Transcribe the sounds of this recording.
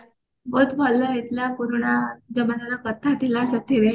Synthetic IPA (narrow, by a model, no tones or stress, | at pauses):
bot̪falːəjet̪ljapuɾɳ̃ad͡zəmanalakət̪ʰːat̪ilasət̪ʰiɾe